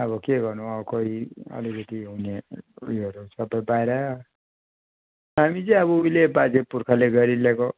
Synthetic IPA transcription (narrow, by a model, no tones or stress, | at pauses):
ʌβʌkeɡʌrnuʌʌkoɦiʌ̰likʌt̪iɦuneujʌɾusʌbʌjbajɾʌ | ɦamit͡sʌĩʌbʌuilebad͡zepurkʰaleɡʌɾileko